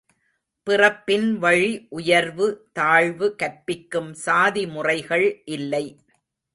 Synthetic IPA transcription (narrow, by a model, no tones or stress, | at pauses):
pɪrɐpːɪnʋɐɻiʔʊjɐɾʋɯt̪aːɻʋɯkɐɾpɪkːɯmsaːðimʊrɐɪɣɐɭʔɪlːɐɪ